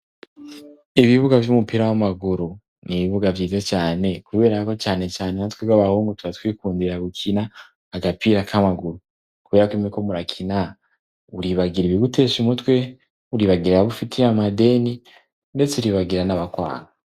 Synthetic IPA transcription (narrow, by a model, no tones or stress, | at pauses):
iβiβuɡavjumupiɾawamaɡuɾu | niβiβuɡavjiːtet͡ʃaːne̞kuβe̞ːɾako̞t͡ʃaːne̞t͡ʃaːnenatweɡaβahuːŋɡutuβatwiːkuːndiɾaɡukʰinaː | ɡapiɾakʰamaɡuɾu | kuβe̞ːɾakwimiko̞muɾakʰina | uɾiβaɡiɾiβiɡute̞ːʃimutwe̞ | uɾiβaɡiɾaβufitʰiamade̞ni | nde̞t͡seɾiβaɡiɾanaβakwa̰ːŋa